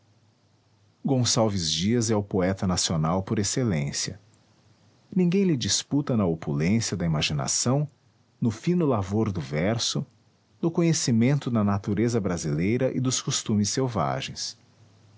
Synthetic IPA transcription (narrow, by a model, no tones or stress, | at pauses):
ɡõsawvɪzd͡ʒiɐzɛʊpoɛt̪ɐnasionawpoɾeselẽsiɐ̰ | nĩŋɡẽj̃lɪd͡ʒisput̪ɐnɐopulẽsjɐd̪ɐimaʒina̰sɐ̃w̃ | nʊfĩnʊlavoɾd̪ʊvɛɾsʊ | nʊkõɲesimẽnt̪ʊd̪ɐnat̪uɾezɐbɾazilejɾɐʔɪd̪ʊskost̪ũmɪsːewva̰ʒẽj̃s